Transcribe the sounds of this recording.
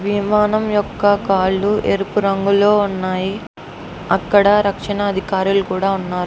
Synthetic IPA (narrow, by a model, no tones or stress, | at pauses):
ʋimaːnɐmjɔkːɐkaːɭːuʔeɾupuɾɐŋɡulo̞ːunːaːji | ɐkːɐɽɐɾɐkʂɐnɐːd̪ʱikaːɾulukuːɽaːunːaːɾu